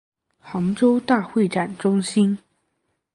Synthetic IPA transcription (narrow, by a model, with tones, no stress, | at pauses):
xɑ˧˥ŋʈ͡ʂo˥ʊt̪a˥˧xwe˥˩ɪʈ͡ʂa˨˩nʈ͡ʂʊ˥ŋɕi˥n